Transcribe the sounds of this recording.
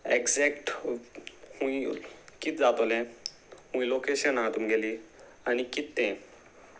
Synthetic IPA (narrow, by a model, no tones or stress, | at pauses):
ekd͡zɛkʈ | hũikit̪d͡zat̪olɛ̃ | hũilokeɕənat̪umɡʱeliː | anikit̪ːɛ̃